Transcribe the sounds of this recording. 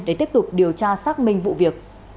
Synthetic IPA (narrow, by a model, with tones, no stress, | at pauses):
ɗe˧˩t̪i˦˥əp̚t̪ʊ˨˩k͡p̚ɗi˨˩əwt͡ɕaː˧saː˦˥k̚mï˧˩ŋ̟vṵ˧˨vi˨˩ək̚